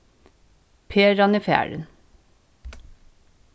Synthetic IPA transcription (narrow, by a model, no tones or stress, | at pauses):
pʰeːɾɑnɪfæ̰ːɹə̰n